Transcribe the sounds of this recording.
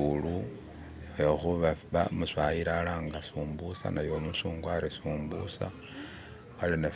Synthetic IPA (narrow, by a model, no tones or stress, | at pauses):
ulu | joxuβaβamuswaiɾalaːŋɡasuːmbusa̰najomusuːŋɡwaɾisuːmbṵsa̰ | aline